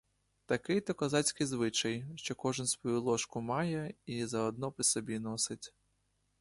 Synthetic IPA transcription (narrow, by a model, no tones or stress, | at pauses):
t̪ɐkɪjt̪ɔkɔzɑt͡sʲkɪjzʋɪt͡ʃɐjʃt͡ʃɔkɔʒɪnsʋɔjulˠɔʃkʊmɑjɛizɐɔd̪nɔpɾʲisɔbʲinɔsɪtʲ